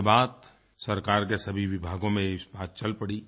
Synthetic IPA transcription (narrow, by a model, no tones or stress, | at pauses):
baːt̪ | sɐɾkaːɾk̬esɐbʱiʋɪbʱaːɡõmẽɪsbaːt̪̚t͡ʃɐlpɐɽi